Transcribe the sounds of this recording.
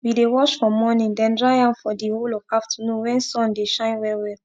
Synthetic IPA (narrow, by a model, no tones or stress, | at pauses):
widewɔʃfɔmɔnĩndɛ̃ndɹajãmfɔdiholɔvkaftunũwɛ̃nsɔ̃ndeʃãɪ̃nwɛwɛ